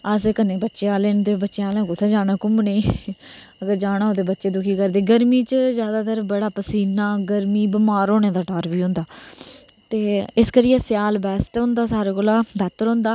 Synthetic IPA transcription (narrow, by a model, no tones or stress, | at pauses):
əseːkəneːbətːʃeaːleːnt̪eːbətːʃeaːlẽːkʊt̪ʰːẽːd͡ʒaːɽaːkʊmneː | əɡəɾd͡ʒaːɽ̃ãːoːt̪eːbətːʃeːd̪ʊkʰiːkəɾd̪eːɡəɾmiːt͡ʃzjaːd̪aːt̪əɾbəɽaːpəsiːnaːɡəɾmiːbɪmaːɾoːneːd̪aːʈaːɾbiːɦʊ̃nd̪aː | t̪eːɪskəɾiːɛːsɪjaːlbɛːsʈɦʊ̃nd̪aːsaːɾeːkoːlaːbɛːt̪əɾɦʊ̃ːnd̪aː